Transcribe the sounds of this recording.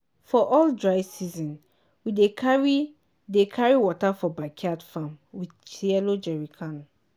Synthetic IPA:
fɔʔɔldɹaɪsizɔ̃n | widekaɹi | dekʰaɹiwɔtafɔbakʰadfãmwi | t͡ʃʰiɛlod͡ʒɛɹikʰãn

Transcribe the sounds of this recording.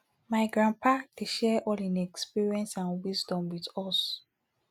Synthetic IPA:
maɪɡɹãnpʰadeʃɛʔɔlĩnɛkspiɹiɛ̃nsãnwizdɔ̃mwitɔs

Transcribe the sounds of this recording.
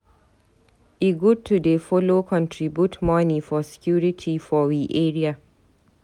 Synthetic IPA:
ʔiɡutʰːudefɔlokʰɔ̃ntʰɹibjutmanifɔsɛ̥kʰjuːɹitʰifɔwiʔɛːɹia

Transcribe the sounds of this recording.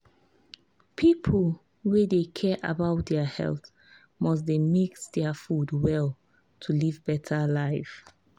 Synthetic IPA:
pʰipʰəl | wedekʰɛʔa̰baʊt̚dɛhɛ̰lθ | mɔs̬demiksdɛəfudwɛl | tʰulivbɛtʰəlaɪf

